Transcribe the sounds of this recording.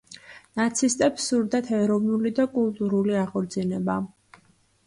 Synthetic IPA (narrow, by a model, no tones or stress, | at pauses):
nat̪sʰist̪ʼɛpsuɾd̪at̪ʰɛɾɔvnulid̪akʼulˠt̪ʼuɾuliaʁɔɾd̪zinɛba